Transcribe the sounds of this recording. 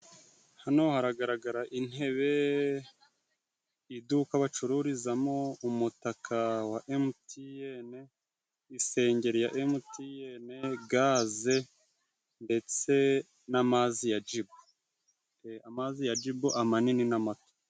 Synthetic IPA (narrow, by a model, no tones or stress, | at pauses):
hanohaɾaɡaɾaɡaɾaʔin̥he̞βe̞ | idukaβat͡ʃuɾuɾizamo̞umutakʰawaʔemutʰijene | ise̞ːɲɟe̞ɾijaʔemutʰijeneɡaze̞ | nde̞t͡se̞ | namazijad͡ʒibo | eamazijad͡ʒibuʔamanininamato̥